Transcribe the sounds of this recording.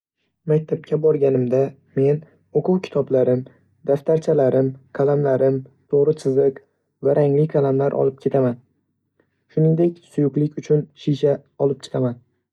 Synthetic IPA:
mak̚ʲt̪ʰap̚kʲʰabɒɾɡʲanɪmd̪a | me̞n | oqʰʊwkʲʰɪ̥t̪ʰɒblaɾɪm | d̪̥aft̪ʰaɾt͡ʃʰalaɾɪmkʲʰalamlaɾɪmt̪ʰoʁɾɨsʰɨzɨq | vaɾʔaŋlɪkʲʰalamlaɾʔɒ̰lˠɪp̚kʲʰe̞t̪ʰaman | ʃʊnɪŋd̪e̞kʲsʊjʊqlˠɪkʲʊt͡ʃʰʊnʃiʃaɒlˠɪp̚t͡ʃʰɨ̥qʰaman

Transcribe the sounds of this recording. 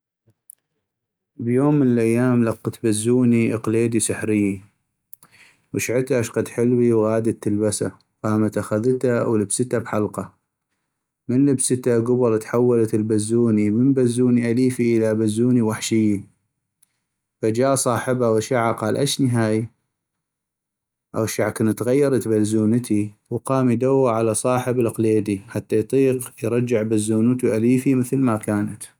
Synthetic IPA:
bjoːmːənəlʔajːaːmlɑqːt̪bazːuːniʔəqleːd̪isaħɾɪjːi | wɪʃʕɪt̪aʔaʃqɑd̪ħɪlwiwɣaːd̪at̪ːəlbasa̰ | qaːmat̪ʔaxaðt̪awləbsət̪abħalqɑ | mənləbsət̪aɡʊbɑɾˤt̪ħawːalat̪ɪlbazːuːniməmbazːuːniʔaliːfiʔəlabazːuːniwaħʃɪjːi | fad͡ʒaːʔsˤɑːħɪbawaʃaʕaqɑːlʔaʃniɦaːj | ʔa̰wʃaʕkənt̪ɣajːɑɾˤɑt̪bazːuːnət̪iwqɑːmid̪awːaʕalasˤɑːħəbəlqleːd̪iħat̪ːajt̪ˤiːqjɾˤɑd͡ʒːɪʕbazːuːnət̪uʔaliːfiməθlmakaːnat̪

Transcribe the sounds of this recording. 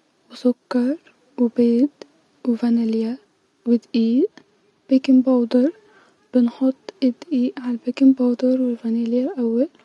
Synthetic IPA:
wɪsʊkːɑɾˤ | wɪbeːd̪ | wɪvanalja | wɪd̪ʔiːʔ | b̥ekɪmbɑːd̪ɑɾˤ | b̥ɪnħʊt̪ˤːʔɪd̪ʔiːʔʕalbekɪmbɑwd̪ɑɾwɪlvæniljalʔawːal

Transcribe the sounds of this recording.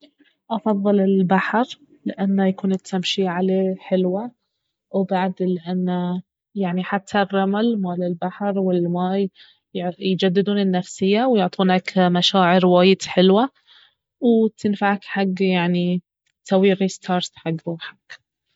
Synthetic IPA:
ʔɑfɑðˤːɨlɪlbaħɾ | lɪʔanːajakuːnɪt̪ʰːamʃiʕaleːħɪlwa | wbaʕd̪lɪʔanːa | jaʕniħat̪ʰːarˤːɑmalmaːlɪlbaħɾwɪlmaːj | jd͡ʒad̪ːɪd̪uːnɪnːafsɪjːawjʊʕt̪ˤuːnakmaʃaːʕɪɾwaːjɪd̪ħɪlwa | wt̪ʰɪnfaʕakħaɡːjaʕni | t̪awiːɾist̪ʰɑːɾˤt̪ħaɡːɾˤuːħḁk

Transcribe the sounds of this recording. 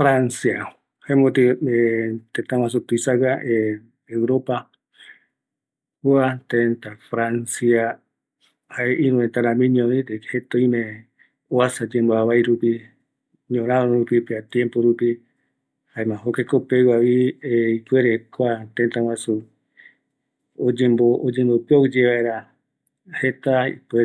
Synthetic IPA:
fɾansia | haemõt̪iet̪ent̪aw̃ãs̬ut̪uisaɣaʔe | eɾopa | uat̪ent̪afɾansia | haeʔiɾũẽnt̪aɾamĩɲõnĩt̪ekhet̪oimẽ | oasad͡ʒẽmboaβajɾupi | ɲõɾ̃ãõɾupipeat̪jempoɾupi | haemãɦokekopewaβieikweɾekʷat̪ent̪awasu | od͡ʒembood͡ʒẽmbopeod͡ʒeβaeɾa | het̪aḭpe

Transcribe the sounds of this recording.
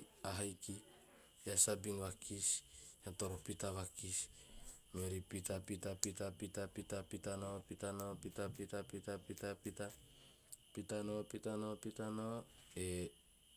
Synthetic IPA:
aɦajki | asabiŋβakisatoɾopitaβakis | meɾipitapitapitapitapitapitanopitanopitapitapitapitapita | pitanopitanopitanoe

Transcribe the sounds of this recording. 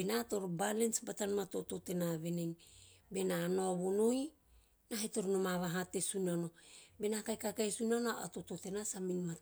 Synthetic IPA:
benato̞ɾobalensbatanmato̞to̞te̞naβe̞neŋbe̞nanoaβono̞j | naheto̞ɾonomaβaɦate̞sunano̞be̞nakajkakajsunanoa̰to̞to̞te̞nasaminma

